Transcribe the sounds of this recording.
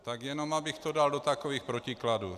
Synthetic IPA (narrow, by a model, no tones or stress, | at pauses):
t̪aɡjɛnomabɪxt̪odaldot̪akoviːxpɾocɪkladuː